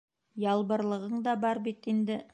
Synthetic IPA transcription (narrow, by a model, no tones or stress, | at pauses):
jɑlˠbɤ̆ɾlˠɤ̆ʁɤɴd̪ɑbɑɾbit̪ind̪ɘ